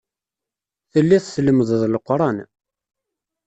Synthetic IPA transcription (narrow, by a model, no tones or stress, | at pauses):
θəlːiθsləməððlqɾˤɑn